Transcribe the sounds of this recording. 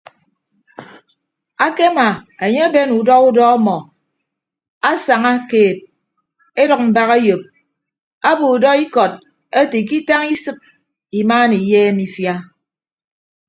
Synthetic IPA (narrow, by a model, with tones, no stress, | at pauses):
a˦ke˦ma˨e˨ɲe˦a˦be˦nu˨dɔ˦u˦dɔ˦ɔ˦mɔ˨ | a˦sa˨ŋa˦keː˨t̚ | e˦dɔ˨k̚m̩˨ba˦ɣe˦jo˨p̚ | a˦bo˨u˨dɔ˦i˦kɔ˨t̚ | e˦ti˨k̬i˦ta˦ŋi˦sɨ˦p̚ | i˨maː˦ni˨jeː˦mi˦fja˦